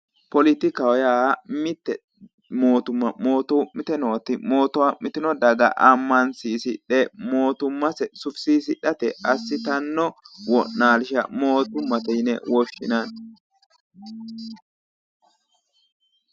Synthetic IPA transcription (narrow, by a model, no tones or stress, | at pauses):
pɔlɪt̪ɪkɐwɔjaːmɪt̪ːɛ | moːt̪ʊmːɐmo̞ːt̪ɔwmːɪt̪ɛnot̪ːɪmoːt̪ɔwamɪt̪ɪnɔd̪ɐɡɐ̰ʔɐmːɐnsiːsɪᶑɛmo̞ːt̪ʊmːɐsɛsʊfsiːsɪɗɐt̪ɛɐsːɪt̪ɐnːɔwɔnːaːlɪʃɐmo̞ːt̪ʊmːɐt̪ɛjɪnɛwɔʃːɪnɐn